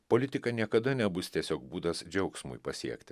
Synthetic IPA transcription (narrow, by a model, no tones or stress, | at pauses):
polʲɪt̪ʲɪkɐnʲiɛkɐd̪ɐnʲɛbʊsʲt̪ʲiɛsʲoːkbuːd̪ɐsd͡ʒʲɛʊksmʊ̰jpɐsʲiɛkt̪ʲɪ